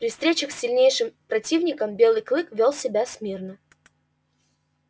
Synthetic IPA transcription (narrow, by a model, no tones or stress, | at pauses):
pɾʲɪfst̪ɾʲet͡ɕəxsʲːɪlʲnʲejʂɨmpɾɐtʲivnʲɪkəmbʲe̞lˠɨjklˠɨkvʲolˠsʲɪbʲasʲmʲirnə